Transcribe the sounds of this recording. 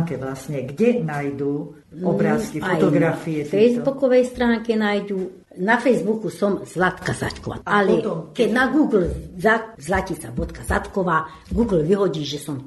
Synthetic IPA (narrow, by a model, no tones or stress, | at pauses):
ŋkɛʋlasɲɛɡɟɛnajd̪uː | ɔbɾaːskiaɔj̪ɔɡɾafiɛffɛjzbbukɔʋɛjst̪ɾaːŋkɛnajd̪u | nafɛjzbukusɔmzlat̪kaza̰ckɔʋa̰alɛtɔmkɛnaɡuːɡl̩zazlacisabɔt̪kaza̰t̪kɔʋaː | ɡuːɡl̩ʋiɦɔɟiːʒɛsɔm